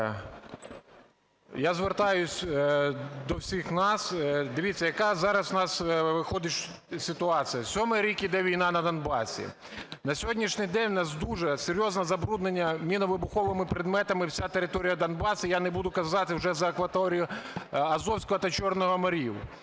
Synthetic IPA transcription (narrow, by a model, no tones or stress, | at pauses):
jazʋert̪ɑjʊsʲ | d̪ɔwsʲixnɑsd̪ɪʋʲit͡sʲːɐjɐkɑzɑɾɐsnɑsʋɪxɔd̪ɪʃ | sʲɪt̪ʊɑt͡s̪ʲɨjɐsʲɔmɛɾʲikʲid̪ɛʋʲijnɑnɐd̪ɐnbɑsʲḭ | nɐsʲɔɦɔdʲnʲiʃnʲɪjd̪ɛnʲnɑsd̪uʒɛseɾʲjɔznɐzɐbɾud̪nenʲːɐmʲinɔʋɪbʊxɔʋɪmɪpɾɪd̪mɛt̪ɐmɪwsʲat̪eɾɪt̪ɔɾʲijɐd̪ɐnbɑsʲʊjanɛbud̪ʊkɐzɑt̪ɪwʒɛzɐɐkʋɐt̪ɔɾʲijʊɐzɔwsʲkɔɦɐt̪ɐt͡ʃɔrnɔɦɔmɐɾʲiw